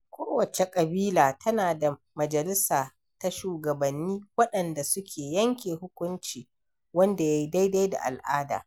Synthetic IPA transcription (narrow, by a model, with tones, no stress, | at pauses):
kʷoː˦wɐ˨t͡ʃe˨kʼɐ˨biː˦laː˨tʰɐ˦naː˨da˨ | mɐ˨d͡ʒɐ˨lɪ˦saː˨ | ta˦ʃuː˨ɡɐ˨bɐ˨nːiː˦wɐ˦ɗɐ˨nda˨sʊ˦kʲʰeː˨jɐ˦ŋkʲeː˨hʊ˦kʷʊ˦nt͡ʃiː˨ | wɐ˦nda˨ja˦ji˦da˦jda˦jda̰˨ʔa̰˨lʔaː˦da̰ː˨